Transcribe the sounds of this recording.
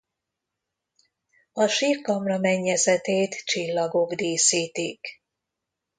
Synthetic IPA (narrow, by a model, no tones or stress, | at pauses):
ɒʃiːrkɒmrɒmɛɲːɛzɛt̪eːt̪t͡ʃilːɒɡo̞ɡd̪eːsiːt̪ik